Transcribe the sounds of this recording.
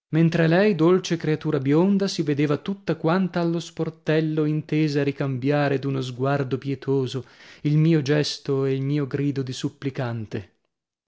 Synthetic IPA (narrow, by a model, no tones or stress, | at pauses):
ment̪ɾelɛjd̪olt͡ʃekɾeat̪uːɾabjond̪asived̪eːvat̪ut̪ːakwant̪aːlːosport̪ɛlːoint̪eːzaaɾikambjaːɾed̪unozɡward̪opjɛt̪ʰoːzoilmiːod͡ʒɛst̪oeilmiːoɡɾiːd̪od̪isupːlikant̪e